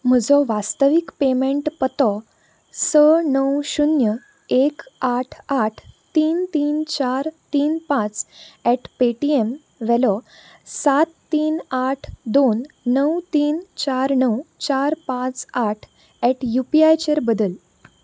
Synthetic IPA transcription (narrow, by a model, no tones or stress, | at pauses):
m̤əd͡zɔʋast̪əʋikpemẽɳʈpət̪ɔ | sənəwɕunjə | ekaʈʰaʈʰt̪iːnt̪iːnt͡ɕaɾt̪iːnpãt͡sɛʈpeʈiem | ʋɛlɔ | sat̪ːiːnaʈʰd̪onː | əwt̪iːnt͡ɕaɾnəwt͡ɕaɾpãt͡saʈʰ | ɛʈʰjupiajt͡ɕeɾbəd̪əl